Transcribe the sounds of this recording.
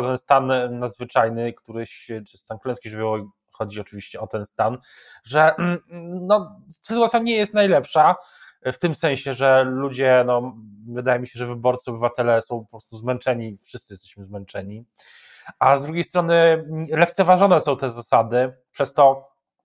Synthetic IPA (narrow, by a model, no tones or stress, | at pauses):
amst̪anːad̪zvɘt͡ʂajnɘkt̪uɾɘɕt͡ʂɘst̪anklɛ̃skʲiʐvʲɔi | xɔd͡ʑiɔt͡ʂɘvʲiɕt͡ɕɛɔt̪ɛnst̪an | ʐɛ | nɔsɘt̪uwat̪ʲjaɲɛjɛst̪najlɛpʂa | ft̪ɘmsɛ̃ɕɛʐɛlud͡ʑɛnɔvɘd̪ajɛmʲiɕɛʐɛvɘbɔɾt̪sɨɔbɘvat̪ɛlɛsɔ̃w̃pɔpɾɔst̪uzmɛnt͡ʂɛɲifʂɘst̪ɘjɛst̪ɛɕmɘzmɛnt͡ʂɛɲi | azd̪ɾuɡʲejst̪ɾɔnɘlɛk̚t̪sɛvaʐɔnɛsɔ̃w̃t̪ɛzasad̪ɘpʂɛst̪ɔ